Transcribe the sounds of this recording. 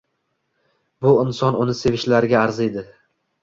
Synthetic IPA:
bʊɪnsɒnʊnɪse̞vɪʃlaɾɪɡʲaːɾze̞d̪ɪ

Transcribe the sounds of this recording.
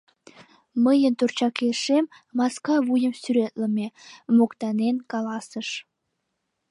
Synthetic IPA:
məjənt̪urt͡ɕɑkeʃem | mɑskɑβujəmsyɾet̪ləmemokt̪ɑnenkɑlɑsəʃ

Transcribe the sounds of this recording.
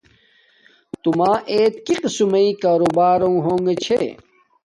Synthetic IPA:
t̪umaːʔeːt̪̚kiqsumɐikaːɾubaːɾõŋɦoːŋɡet͡ɕʰḛ

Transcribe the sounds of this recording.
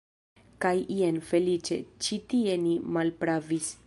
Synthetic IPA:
kajʔienfe̞lit͡ʃe̞̰t͡ʃitie̞nimalpɾavis

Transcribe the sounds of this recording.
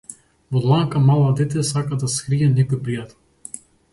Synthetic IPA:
vɔd̪lˠaŋkamalˠad̪ɛt̪ɛsakad̪askɾiɛnɛkɔjpɾijat̪ɛlˠ

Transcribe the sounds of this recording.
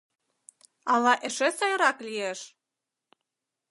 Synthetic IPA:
ɑlɑʔĕʃesɑjɾɑklieʃ

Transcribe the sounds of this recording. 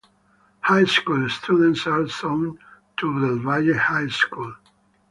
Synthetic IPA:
hajskulst̪ʰjudə̃ntsalsõʊ̃ntʰuðəlvajehajskul

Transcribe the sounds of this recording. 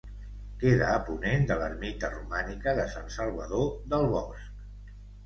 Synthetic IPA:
keðəːpunend̪ələrmit̪ərumanikəðəsansəlˠβəðoðəlˠβɔsk

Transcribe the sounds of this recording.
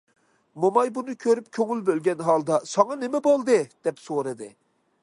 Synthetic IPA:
momɑjbunɨkʲʰøɾyp̚kʲʰøŋylbølɡʲɛnɦɑlˠd̪ɑsɑŋɑnɪmɛbolˠd̪ɨd̪̥ɛpsoɾɨd̪ɨ

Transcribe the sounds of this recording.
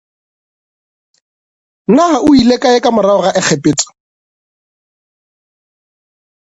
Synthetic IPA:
nahaʊilekʼaɪkamʊɾaɔɣaʔɪk͡xʰɛpɪːt͡sʼɔ̥

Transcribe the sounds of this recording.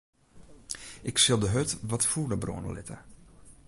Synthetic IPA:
ʔɪksɪlˠdəɦøtʋɔtfunəbro̰ənə̰lɪ̰tʰə̰

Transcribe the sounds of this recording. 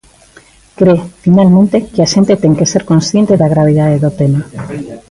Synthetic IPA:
kɾefinalmẽnt̪ekeaʃent̪et̪eŋkeseɾkõnsθjent̪eðaɣɾaβ̞eð̞aðeðot̪ema

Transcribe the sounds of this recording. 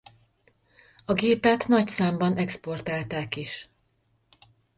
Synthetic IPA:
ɒɡeːpɛt̪nɒcsaːmbɒnɛkspo̞rt̪aːlt̪aːkiʃ

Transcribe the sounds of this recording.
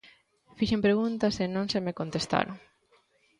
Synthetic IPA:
fiʃempɾeɣunt̪asenõnsemekont̪est̪a̰ɾo

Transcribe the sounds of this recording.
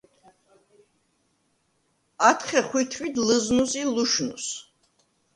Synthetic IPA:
at̪ʰχɛχwit̪ʰfid̪ləznusiluʃnṵs

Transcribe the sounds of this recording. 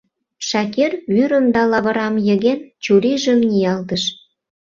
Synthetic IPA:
ʃɑkerβyɾə̆md̪ɑlɑβə̆ɾɑmjə̆ɣent͡ɕuɾiʒə̆mnʲijɑlt̪əʃ

